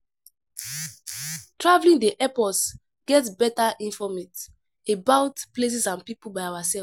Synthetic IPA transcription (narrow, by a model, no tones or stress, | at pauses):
tɹavlĩŋdeʔɛpɔts | ɡ̥ɛtbɛtaʔĩnfɔmit | ebaʊtples̬isãnpipulbajawasɛ